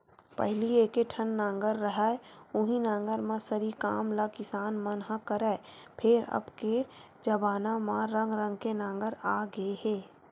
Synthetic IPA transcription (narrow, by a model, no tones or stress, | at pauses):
pɛ̰ɦlieːkeʈʰənːãːŋɡəɾːəɦaːʊɦĩnãːŋɡəɾmãsəɾika̰ːmlakɪsaːnmənɦakəɾɛːpʰɪɾɐ̰bke | d͡ʒɐbaːnamãɾə̃ŋɡɾə̃ŋɡkenãːŋɡəɾaːɡəehɛ̃ː